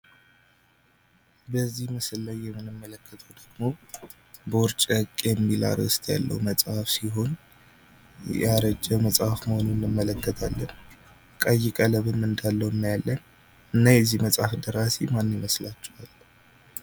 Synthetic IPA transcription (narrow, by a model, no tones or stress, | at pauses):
bəzːihmɨsɨllajːɛmːɨnɨmːələkːət̪ʰəwd̪̥əɡ̥mo̞ | bəʊɾt͡ʃʼəkʼjɛmːila̰ɾəst̪ʰja̰lːə̰wməsʼhafsiɦo̞n | jaɾəd͡ʒːɛməsʼafməhonunːɨmːələkːət̪ʰalːən | kʼəjːɪkʼələβɨmɨnd̪alːəwɨnːajalːən | ɨnːajɛzːihməsʼafd̪əɾasemanːiməslat͡ʃːɛwal